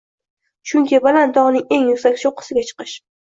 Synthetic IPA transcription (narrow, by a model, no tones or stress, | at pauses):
ʃʊŋkʲɪbalant̪ɒʁnɪŋe̞ŋjʊkʲsakʲʃoqʰːɨ̥sɪɡʲat͡ʃʰɨ̥qɨʃ